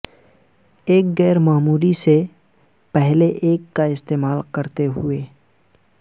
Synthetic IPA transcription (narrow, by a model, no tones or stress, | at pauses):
eːk̚ɡɛːɾmaːmuːɾise | pɛɦleʔeːkːaɪst̪eːmaːlkɐɾt̪eɦʊeː